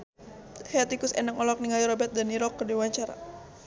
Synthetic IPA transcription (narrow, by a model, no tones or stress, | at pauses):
haat̪ikʊsɛ̰nakɔlɔk̚niŋaliɾɔbɛt̪̚daniɾɔkːərdiwaɲt͡ʃaɾa̰